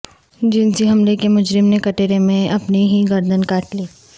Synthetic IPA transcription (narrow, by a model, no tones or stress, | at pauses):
d͡ʒɪnsiɦɐmlekemʊd͡ʒɾɪmnekɐʈeːɾemẽʔɐpniɦiɡɐɾd̪ʱənkaːʈliː